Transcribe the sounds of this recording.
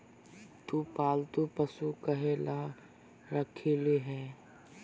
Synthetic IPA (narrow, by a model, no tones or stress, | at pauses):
t̪upaːlt̪upəsukɐɦela | ɾəkʰeleɦɛː